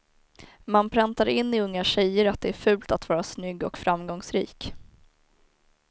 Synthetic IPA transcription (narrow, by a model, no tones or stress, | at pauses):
manpʰɾant̪aɾɪnːɪɵŋːaɕɛjəɾat̪̚d̪ɛæɾfʉ̟ːlt̪at̪vɑːɾasnʏɡːɔ̰kfɾamɡɔŋsɾḭːk